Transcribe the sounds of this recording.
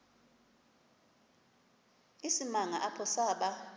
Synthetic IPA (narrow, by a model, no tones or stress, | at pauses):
isimaŋaʔapʰɔsaːɓa